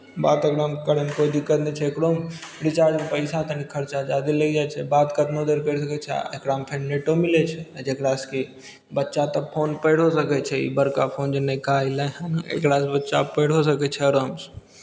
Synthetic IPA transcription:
baːt̪eɡɽamkəɾəmkod̪ikəɾnɛt͡ʃʰɛekɽom | ɾit͡ʃaɾd͡ʒmepəɪsat̪ənikʰəɾt͡ʃad͡ʒad̪iləid͡ʒat͡ʃʰɛbat̪kəd̪nod̪eɾkəɾsəkɛt͡ʃʰɛ̰ekɽampʰeɾneʈomilɛt͡ʃʰɛd͡ʒekɽaske | bətːʃat̪ɔpʰoːnpəɪɽ̤osəkɛt͡ʃʰɛḭbəɾkapʰoːnd͡ʒenəkailaɦanaḛkɽasbətːʃapəɪɽ̤osəkɛt͡ʃʰɛɾəms

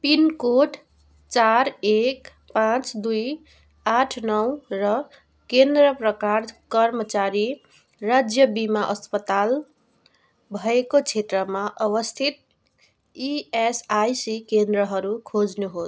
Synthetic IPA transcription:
pinkoʈ | t͡ʃaɾek | pãt͡sd̪uj | aʈʰnʌwɾʌ | kend̪ɾəpɾəkaɾkʌɾmət͡ʃaɾi | ɾad͡ʒjəbimaʔʌspət̪al | bʱʌekot͡ʃʰet̪ɾəmaʔʌβʌst̪ʰit̪̚ | iesajsikend̪ɾəɦʌɾukʰod͡zneɦo

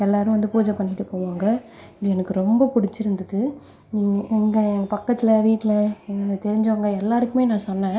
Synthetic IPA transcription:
ɛlːaːɾɯ̃ʋɐnd̪ɯpuːd͡ʒɐpɐɳːɪʈːɯpoːʋaːŋɡɐ | ɪðɯɛnɐkːɯɾɔmbɐpʊɽɪt͡ʃːɪɾɯnd̪ɯðɯ | ɛŋɡɐɛŋɡɐpɐkːɐt̪ːɪlɐʋiːʈːɪlɐɛŋɡɐnd̪ɐt̪ɛɾɪɲd͡ʒɐŋɡɐɛlːaːɾɯkːɯmeːnãːsɔnːɛ̃ː

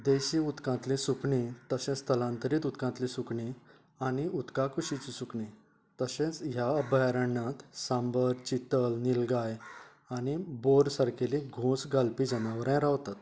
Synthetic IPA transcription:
d̪eɕĩut̪kãt̪lĩsukɳit̪əɕẽt͡st̪əlãnt̪əɾiːt̪ut̪kãt̪lĩsukɳi | añiut̪kakʰuɕit͡ɕisukɳi | t̪əɕẽt͡sjabəjaɾəɳːãt̪sãmbəɾt͡ɕit̪əlnilɡaj | aniboɾsaɾkelĩɡʱõsɡalpid͡ʑənaʋəɾãjɾaʋt̪at̪

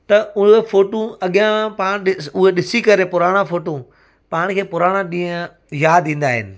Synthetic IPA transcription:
t̪ɐʊɦefoːʈũɐɠijãpaːɽ̃ɗɪʊɦeɗɪsikɐɾepʊɾaːɽ̃ãfoːʈõ | paːɽ̃kʰeːpʊɾaːɽ̃ãɗĩːə̃ | jaːd̪ĩːn̆d̪aːɦɪ̰nɪ̆

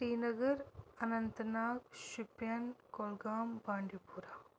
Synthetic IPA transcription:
siːnɐɡɐɾɐnɐnt̪ɐnaːkʃupjankolɡaːmbaːɳɖipuːɾaː

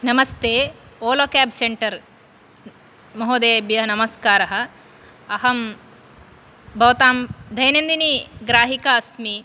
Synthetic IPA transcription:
nɐmɐst̪eːoːloːkaːbseɳʈɐɾ | mɐɦoːd̪eːbjɐnɐmɐskaːɾɐɦɐ̆ | ɐɦɐm | bʱɐʋt̪aːmd̪ʱɐjɐnɐnd̪iniɡɾaːɦikaɐsmi

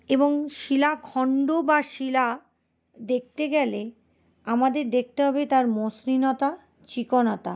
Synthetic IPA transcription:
eboŋʃilakʰɔɳɖobaʃila | d̪ek̚t̪eɡɛle | amad̪eɾd̪ek̚ʰt̪eɦɔbet̪aɾmosɾinɔt̪a | t͡ɕikonɔt̪a

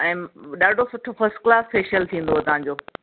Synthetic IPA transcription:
ɛ̃ːɗaːɖʱosʊʈʰofɐɾsʈklaːsfeːʃəlt̪ʰĩːn̆d̪oɐt̪ɐʋãːɲ̆d͡ʑoː

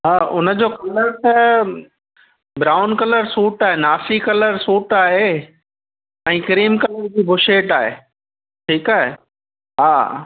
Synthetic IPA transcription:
ɦaːʊnəd͡ʑoːkɐləɾt̪ɐ | bɾaːʊnkɐləɾsuːʈaːɦenaːsikɐləɾsuːʈaːɦe | ɛ̃ːkɾiːmkɐləɾd͡ʑiːbʊʃeːʈaːɦḛː | ʈʰiːkaːɦḛ | ɦaː

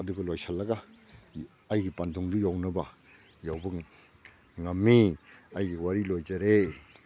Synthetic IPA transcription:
ɐduɡɐlojsalɐɡa | jɡipantʰɔŋdujawnɐbɐ | jawbɐ | ŋamːiajɡiwaɾilojd͡ʒaɾe

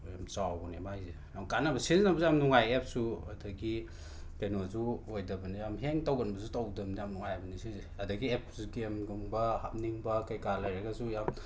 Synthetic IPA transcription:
jamt͡ʃawɔnemajze | akanabɐsiznɐbɐzeamnuŋajep̚suadɐɡi | kajnozuojdɐbɐnijamɦeŋtawɡɐnbɐsutawdɯmniamnuŋajabɐnisize | adɐɡiepʰɡemɡuŋbɐhap̚niŋbɐkajkalajɾaɡazujam

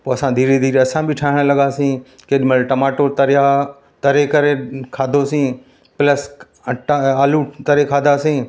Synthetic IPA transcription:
poːɐsãːd̪ʱiːɾed̪ʱiːɾeɐsãbʱɪʈʰaːɦɪɽ̃lɐɠaːsĩːkeɗɪmelʈɐmaːʈot̪ɐɾja | t̪ɐɾekɐɾekʰaːd̪ʱosĩː | pləs | ʈaːlut̪ɐɾekʰaːd̪ʱasĩː

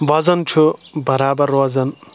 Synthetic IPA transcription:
ʋɐzɐnt͡ʃʰubɐɾaːbɐɾʋɐzɐn

